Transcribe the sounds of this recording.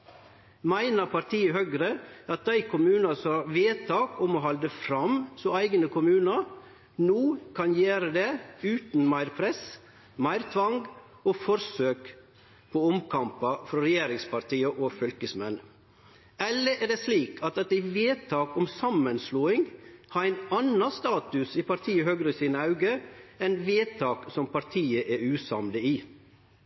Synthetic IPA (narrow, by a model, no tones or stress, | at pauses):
mæɪnəɾpʰɑɾt̪ʰiːəhøɡɾəɑt̪̚d̪æɪkʰʊmʉːnɑsɔɑɾʋeːt̪ʰɑːkɔmɔɦɑld̪əfɾɑmsɔæɪɡənəkʊmʉːnɑ | nuːkʰɑnjeːɾəd̪eʉːt̪n̩mæɪɾpʰɾɛs | mæɪɾt̪ʰʋɑŋɡ | ɔfɔɾsøːk | pʰɔɔmkʰɑmpɑfɾɔɾɛjeːɾɪŋspʰɑɾt̪iːəʔofœlkəsmɛn | ɛləɾʔɛɖeːsliːkʰɑt̪ɛt̪æɪʋeːt̪ʰɑːkɔmsɑmːənsluːɪŋhɑːɾæɪnɑnɑst̪ɑːt̪ʉsipʰɑɾt̪ʰiːəhøɡɾəsiːnəɑʉɡəɛnʋeːt̪ʰɑːksɔmpɑɾt̪ʰiːəʔeɾʉːsɑmd̪əiː